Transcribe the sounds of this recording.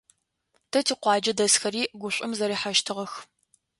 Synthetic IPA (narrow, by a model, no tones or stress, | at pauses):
tʰɐtʰiːqʷɑːd͡ʒɐdɐsxɐɾiːɡʷʊɕʷʼʊmzɐɾiːħaʃtʰɨʁɐx